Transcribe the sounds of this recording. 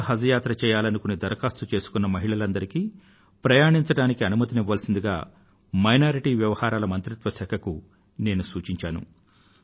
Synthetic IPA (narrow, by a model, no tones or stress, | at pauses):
ɦɐd͡ʒɐjaːt̪ɾɐt͡ʃɛːjaːlɐnukunid̪ɐɾkaːst̪ut͡ʃe̞ːsu̥kunːɐmɐɦiɭɐlɐnd̪ɐɾikiː | pɾɐjaːɳiɲt͡ʃɐɽaːnikiɐnumɐt̪iniʋːaːlɐsind̪iɡa̰ː | mɐjnaːɾiʈiːʋjɐʋɐhaːɾaːlɐmɐnt̪ɾit̪ʋɐsɐkʰɐku | ne̞ːnusuːt͡ʃiɲt͡ʃaːnṵ